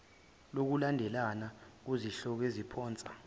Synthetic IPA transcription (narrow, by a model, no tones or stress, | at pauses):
lok̬ulandʱɛlanak̬uziɬɔk̬ezipʰɔːnt͡sʼḁ